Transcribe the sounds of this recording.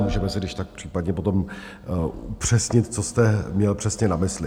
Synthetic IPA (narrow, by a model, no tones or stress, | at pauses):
muːʒɛmɛsɪdɪʃt̪ak̚pr̝̥iːpadɲɛpo̞t̪om | upr̝̥ɛsɲɪt̪t͡sost̪ɛmɲɛlpr̥ɛsɲɛnamɪslɪ